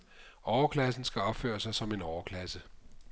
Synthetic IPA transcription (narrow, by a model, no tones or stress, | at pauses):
ɒʊɐkʰlæs̬n̩sɡ̥æɒ̽b̥fø̰ːɐsɑ̈ɪsɒ̽me̝nɒʊɐkʰlæsə